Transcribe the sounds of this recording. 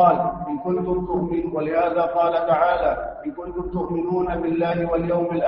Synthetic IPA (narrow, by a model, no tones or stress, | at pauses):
ɑːlʔɪnkʊnt̪ʊmt̪ʊʔmɪnwalɪhaːðaːqɑːlat̪aʕaːlaːʔɪnkʊnt̪ʊmt̪ʊʔmɪnuːnabɪlːaːhɪwaljawmɪlʔ